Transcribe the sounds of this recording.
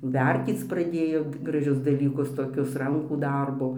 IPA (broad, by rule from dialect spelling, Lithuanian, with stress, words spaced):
ˈʋʲɛrʲtʲiːt͡s prɐˈdʲeːjoː ɡrɐˈʒʲʊs dɐlʲiːˈkʊs toːˈkʲʊs ˈrɐŋkuː ˈdɐrboː